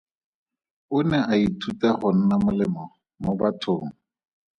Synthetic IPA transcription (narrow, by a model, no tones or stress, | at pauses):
ʊnɛʔaitʰutɛχʊn̩namʊlɪmɔ | mobatʰoːŋ̩